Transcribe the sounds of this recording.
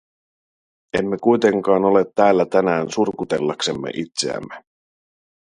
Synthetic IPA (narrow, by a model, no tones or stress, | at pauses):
e̞̰mːe̞kujt̪e̞ŋkɑːno̞le̞t̪ːæːlːæt̪ænæːnsurkut̪e̞̰lːɑkse̞mːḛʔit̪se̞̰æ̰mːe̞